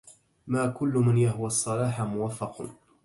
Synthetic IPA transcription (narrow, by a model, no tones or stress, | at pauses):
maːkʊlːʊmanjaɦwasˤːɑlɑːħamʊwafːɑq